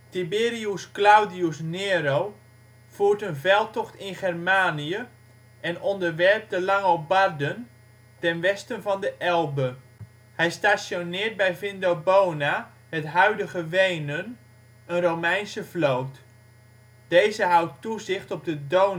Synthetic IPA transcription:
tibɪːriusklawdiusneːɾow | v̥uːɹtənvɛlˠtɔχtɪnχɛrmaːniə | ɛnɔndərʋɛɹp̚dəlɑŋobardən | tɛnʋɛstənvɑndəʔɛlˠbə | hɛjstaːsjonɪːt̚bɛjvɪndobowna | hətɦœɥdəɣəʋejnən | ənrowmɛjnsəflowt | d̥ejzəɦawtːuzɪχtɔb̚dədow

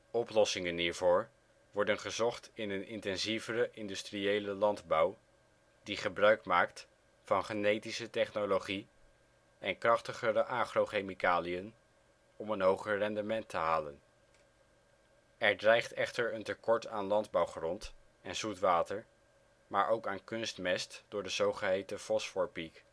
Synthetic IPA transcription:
ɔplɔsɪŋənɦiːɹvʊːɹ | ʋɔɹdənχəzɔχtɪnənɪ̰ntɛnzivəɾəʔɪndystriejləlɑndbɑw | diχəbrœɥkmaːkt | fɑnχənejtisətɛχnoloχi | ɛnkrɑχtəχəɾəʔaːχroχejmikaːliən | ɔmənɦowχəɹrɛndəmɛntʰəɦaːlə̰n | ɛɹdrɛjχtɛχtəɹəntəkɔɹtaːnlɑndbɑwχrɔnt | ɛnz̥utʋaːtəɹ | maːɹʔowkaːnkʏnstmɛstd̥ʊːɹdəzowχəɦejtəfɔsfɔɹpik

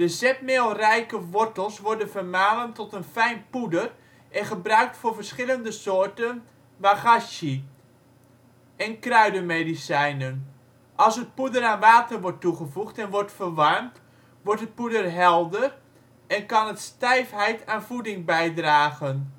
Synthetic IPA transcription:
d̥əzɛp̚meːlˠrɛjkəʋɔɹtəlˠsʋɔɹdənvərmaːnəmtɔtənfɛjnpudər | ʔɛnχəbrœɥk̚tfʊːɹvərsχɪləndəsoːɹtən | ʋaχaʃə | ɛnkrœɥdəmejdisɛjnən | ʔɑlˠsət̚pudəɾaːnʋaːtərʋɔɹtːuχəvuχtɛnʋɔɹtfərʋɑrmt | ʋɔɹtət̚pudərɦɛlˠdər | ʔɛnkɑnətstɛjfɦɛjtʰaːnvudɪŋbɛjdraːɣən

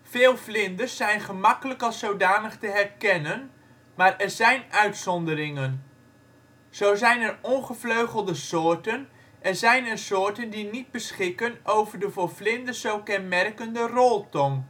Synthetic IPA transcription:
v̥ɪːlˠvlɪndəɹsɛjnχəmɑkələkɑlˠsowdaːnəχtəɦɛrkɛnən | maːɹʔɛɹzɛjnœɥtsɔndərɪŋən | z̥owzɛjnɛrɔnχəvløɥχəlˠdəsʊːɹtən | ʔɛɹzɛjnɛɹsʊːɹtəndinid̚bəsχɪkənʔowvəɹdəvoːɹflɪndəzowkɛnmɛrkəndərɔlˠtɔŋ

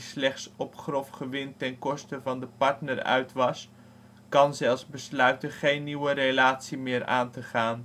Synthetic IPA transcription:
slɛχtsɔpχrɔfχəʋɪntɛnkɔstəvɑndəpɑɹtnəɹœ̰ɥtʋɑs | kɑnzɛlˠfzbəslœɥtəχejnːiwərelaːtsimɪːɹʔa̰ːntəχaːn

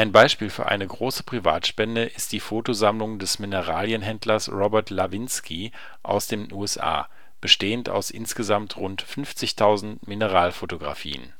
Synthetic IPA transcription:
ʔaɪnbaɪʃpiːlfyːɐʔa̰ɪnəɡʁoːsə̥pʁ̥iva̰ːtʃpɛndəʔɪst̚d̥iːfoːtozamlʊŋdɛsminəʁaːljənɦɛndlɐsʁɔbɛɐtlavɪnskʰi | ʔa̰ʊsd̥eːnʔuːɛsʔa̰ː | b̥əʃteːənta̰ʊsʔɪ̰nsɡ̥əzamtʁʊntfʏnft͡sɪçtʰaʊzn̩tminəʁaːlfotoɡʁa̰fḭːə̰n

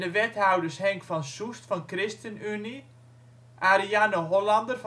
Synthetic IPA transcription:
dəʋɛthawdərshɛŋkfɔnsustfɔnkrɪstənyni | ʔaɾianəɦolɑndərf

